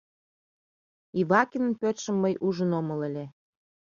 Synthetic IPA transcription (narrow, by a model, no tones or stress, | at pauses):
iβɑkʲinə̆npøt̪ʃə̆mːəjʔuʒə̆nomɤ̆ləlʲe